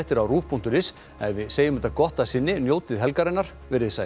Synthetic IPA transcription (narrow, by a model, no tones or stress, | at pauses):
ht̪ɪɾawruːfpʰun̥t̪ʏɾɪs | ɛjvɪðseːjʏmɛt̪akɔht̪asɪnːɪnjoːwt̪ɪðɦɛlkaɾɪnːaɾ̥ | vɪɾɪðsa